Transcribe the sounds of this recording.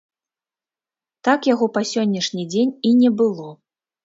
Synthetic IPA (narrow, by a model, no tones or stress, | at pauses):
t̪akjaɣɔpɐsʲɔnʲːɐʂnʲid͡zʲenʲinʲɛbɨlˠɔ